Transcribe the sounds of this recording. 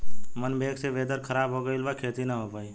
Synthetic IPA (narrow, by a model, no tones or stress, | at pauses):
mənbʱeːkseʋeːd̪əɾkʰəɾaːbɦoɡəɪlbakʰeːt̪inaɦoːpaːi